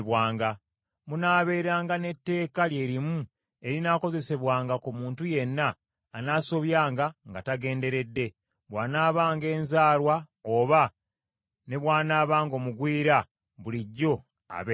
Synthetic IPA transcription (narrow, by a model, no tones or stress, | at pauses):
βwaːŋɡa | munaːβe̞ːɾaːŋɡane̞tːe̞ːkalje̞ːɾimu | e̞ɾinaːko̞ze̞se̞βwaːŋɡakumuːntuje̞nːaː | naːso̞βjaːŋɡaŋɡataɡe̞ːnde̞ɾe̞dːe̞ | βwaːnaːβaːŋɡe̞ːnzaːlwa | oβa | ne̞βwaːnaːβaːŋɡo̞ːmuɡwiːɾa | βuliɟːo̞ | a̰βe